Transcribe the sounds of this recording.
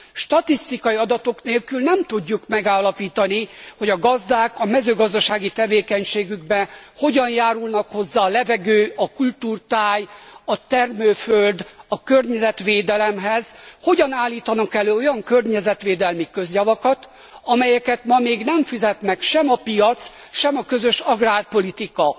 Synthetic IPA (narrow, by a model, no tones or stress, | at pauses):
ʃt̪ɒt̪ist̪ikɒjiɒd̪ɒt̪o̞kneːlkylnɛmt̪uɟːukmɛɡaːlːɒpiːt̪ɒniho̞ɟɒɡɒzd̪aːkɒmɛzøːɡɒzd̪ɒʃaːɡit̪ɛveːkɛɲʃeːɡyɡbɛnho̞ɟɒnjaːɾulnɒkho̞zːaːlɛvɛɡøːɒkult̪uːrt̪aːjɒt̪ɛrmøːføld̪ɒkø̞rɲɛzɛt̪ʋeːd̪ɛlɛmɦɛz̥ho̞ɟɒnaːlːiːt̪ɒnɒkɛløːo̞jɒŋkø̞rɲɛzɛt̪ʋeːd̪ɛlmikø̞zjɒvɒkɒt̪ | ɒmɛjɛkɛt̪mɒmeːɡnɛɱfizɛt̪nɛkʃɛmɒpijɒt̪s | ʃɛmɒkø̞zøʃɒɡraːrpo̞lit̪ikɒ